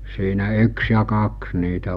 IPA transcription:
siːnæ yks jɑ kɑks niːtæ

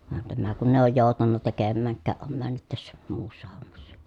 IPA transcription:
ʋɑn tæmæ kun eˑi̯ oːj joˑu̞tɑnːɑ tekemːæːŋkˑæːʔ ʔom mænːyt tæsːæ muːsːɑ homːɑsːɑ̥

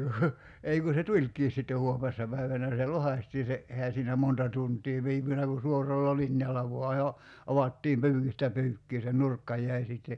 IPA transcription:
ku ei ku se tulʲkˑiːs sitːe huomesːɑ pæiʋænæ se lohɑsʲtiː se ʔehæ siːnæ montɑ tuntˑiː ʋiːpynæ ku suorɑlːɑ linjɑlːɑ ʋoɑ jo ɑʋɑtːiːm pyːkistæ pyːkːiː se nurkːɑ jˑæi sitːe

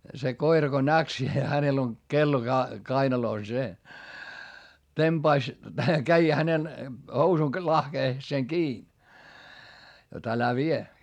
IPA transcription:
se koirɑ ko næk se hænel on kelːo kɑinɑloˑs se temb̥ɑis kæi hænen housun lɑhkeːseŋ kiː jot ælæ ʋie

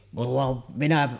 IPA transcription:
ʋɑn minæ

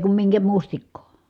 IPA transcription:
kum miŋkæ mustikːoː

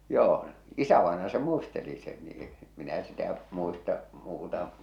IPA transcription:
joː isæʋɑenɑjɑ se muisteli sen niː e̥ minæ sitæ muistɑ muːtɑ

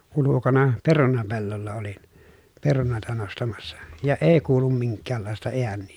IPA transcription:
ulukonɑ perunɑpelːolːɑ olin perunoˑi̯tɑ nostɑmɑsːɑ jɑ eˑi kuːlum miŋkːæːlːɑˑestɑ eænːiː

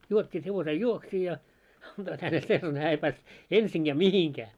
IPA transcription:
juotʲːiːt heʋosej juoksiː jɑ ɑnd̥oit hænel selːɑne hæː ei pæːst ensiŋɡ̊æː mihiŋkæː

